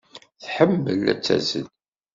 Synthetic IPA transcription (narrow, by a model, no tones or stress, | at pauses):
θħəmːəlæ̰t͡sːæ̰zən